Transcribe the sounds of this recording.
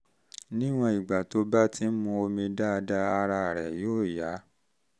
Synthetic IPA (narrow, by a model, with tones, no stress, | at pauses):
nĩ˦w̃ɔ̃˧i˨ɡ͡ba˨to˧˦ba˦tʰi˦n̩˦mũ˧o˧mĩ˧da˦˧da˦a˧ɾa˧˨ɾɛ˨joː˦˨ja˨˦